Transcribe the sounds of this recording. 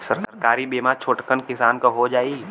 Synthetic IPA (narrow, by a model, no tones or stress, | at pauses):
səɾkəɾkaːɾibeːmat͡ʃʰoːʈkənkɪsaːnkoɦod͡ʒaːi